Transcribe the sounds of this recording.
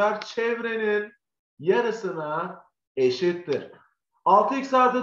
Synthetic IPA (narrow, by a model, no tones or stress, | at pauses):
aɾt͡ʃʰɛvɾenin | jaɾɯsɯna | eʃit̪ːiɾ̥ | alˠt̪ʰɯicʲsaːt̪ɯ